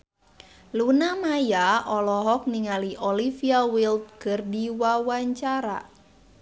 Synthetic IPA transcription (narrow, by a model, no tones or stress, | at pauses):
lunamajaɔlɔɦɔk̚niŋaliʔɔlifiawilt̪̚kɨrdiwawaɲt͡ʃaɾa̰